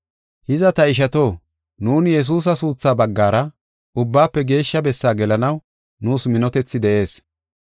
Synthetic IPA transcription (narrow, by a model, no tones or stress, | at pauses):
hɪzɐt̪ɐɪʃ̬ɐt̪o̞ː | nuːnjɛs̬uːs̬ɐsuːt͡sːaːbɐɡːaːɾɐ | ʊbːaːpːɛɡe̞ːʃːɐbɛsːaːɡɛlɐnɐw | nuːsmɪnɔt̪ɛt͡sːɪd̪ɛʔe̞ːs